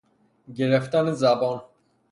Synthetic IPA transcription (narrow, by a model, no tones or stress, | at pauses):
ɟeɾeft̪ænezæbɒːn